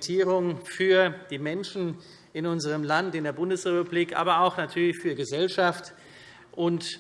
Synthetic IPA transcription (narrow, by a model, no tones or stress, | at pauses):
tʰiːʁʊŋfyːɐd̥iːmɛnʃn̩ | ɪnʊnzəʁəmlantɪndeːɐbʊndəsʁepubliːkʔa̰ːbɐaʊxnatʰyːɐlɪçfyːɐɡəzɛlʃaft | ʔʊnt